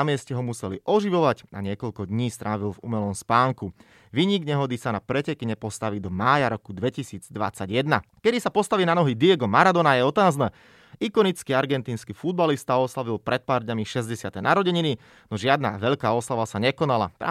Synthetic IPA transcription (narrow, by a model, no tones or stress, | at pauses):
amɪɛscɛɦɔmusɛlḭʔɔʒiʋɔʋaca̰ɲɪɛkɔʎkɔd̪ɲiːst̪ɾʔaːʋilvṵmɛlɔmspaːŋku | ʋiːɲiɡɲɛɦɔd̪isanapɾɛcɛkiɲɛpɔst̪aʋiːd̪ɔmaːjaɾɔkud̪ʋɛcisiːd͡zd̪ʋa̰t͡saɟjɛd̪nakɛd̪isapɔst̪aʋiːnanɔɦid̪iɛɡɔmaɾad̪ɔnajɛɔt̪aːznɛː | ikɔnit͡skiaɾɡɛnt̪iːnskifud̪̚balist̪aɔslaʋilpɾɛt̪̚paːɾd̪ɲamiʃɛzɟɛsɪat̪ɛnaɾɔɟɛɲini | nɔʒɪad̪na̰ʋɛʎkaːɔslaʋasaɲɛkɔnala̰p̪ɾa̰ː